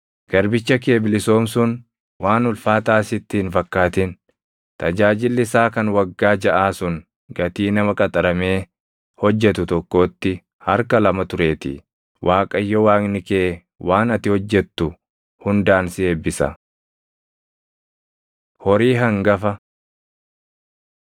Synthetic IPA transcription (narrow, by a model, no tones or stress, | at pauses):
ɡ̥ɐɾbɪt͡ʃːɐk̬eːbɪlɪso̞ːmsʊn | waːnʊlfaːt̪aːsɪt̪ːiːnfɐkːaːt̪ɪn | t̪ɐd͡ʒaːd͡ʒɪlːɪsaːkɐnwɐɡːaːd͡ʒɐʔaːsʊŋ | ɡɐt̪iːnɐmɐkʼɐt̪ʼɐɾɐme̞ː | hɔd͡ʒːɛt̪ʊt̪ɔkːo̞ːt̪ːɪ | hɐɾkɐlɐmɐt̪ʊɾe̞ːt̪ɪ̰ | wʔaːkʼɐjːɔwaːknɪkeː | wʔaːnɐt̪ɪhɔd͡ʒːɛt̪ːʊ | hʊnd̪aːnsɪeːbːɪsɐ̰ | hɔɾiːɦɐŋɡɐfɐ